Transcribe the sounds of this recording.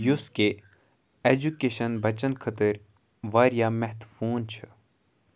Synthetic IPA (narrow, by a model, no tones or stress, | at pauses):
juske | eːd͡ʒukeːʃɐnbʱɐt͡ʃənkʰɐt̪əɾ | ʋaːɾjaːmɛɦt̪fuːnt͡ʃʰɨ